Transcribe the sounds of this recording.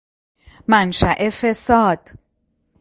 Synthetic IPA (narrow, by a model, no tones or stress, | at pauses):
mænʃæʔefesɒːd̪̥